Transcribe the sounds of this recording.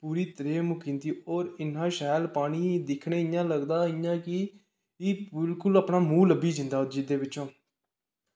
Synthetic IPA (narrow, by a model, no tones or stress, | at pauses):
puːɾiːt̪əɾeːmʊkɪ̃nd̪iːoːɾɪnãːʃɛːlpaːɳiːd̪ɪkʰɳeːɪjãːləɡd̪aːɪjãːkɪ | ibɪlkʊləpɳaːmuːləbːiːd͡ʒɪ̃nd̪aːd͡ʒiːd̪eːʋɪt͡ʃõː